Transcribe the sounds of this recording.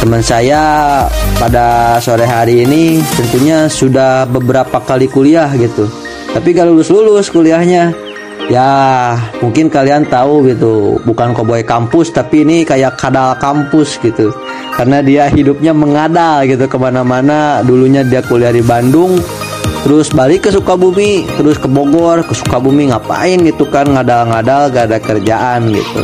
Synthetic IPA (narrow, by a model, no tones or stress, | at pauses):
t̪əmənsaja | padasoɾɛɦaɾiːnit̪ənt̪uɲasudahbəbəɾapakalikuliahɡit̪u | t̪apiɡalulʊslulʊskuliahɲa | ja | muŋkɪnkaliant̪auɡit̪ubukankoboɛkampʊst̪apiːnikajakʰːadalkampʊsɡit̪u | karənadiahidʊp̚ɲaməŋadalɡit̪̬ukəmanamanaduluɲadiakuliahdibandʊŋ | t̪əɾʊsbalɪkːəsukabumit̪əɾʊskəboɡɔrkəsu̥kabumiŋapa̰ɪnɡit̪ukanŋadalŋadalɡadakərd͡ʒaʔanɡḭt̪ṵ